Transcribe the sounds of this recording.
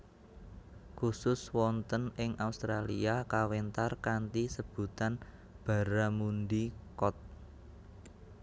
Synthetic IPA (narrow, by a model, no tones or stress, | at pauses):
kusʊswɔnt̪ənɪŋaust̪ɾaliakawent̪arkant̪isəb̥ṳt̪an | b̥a̤ɾamund̪ikɔt̪̚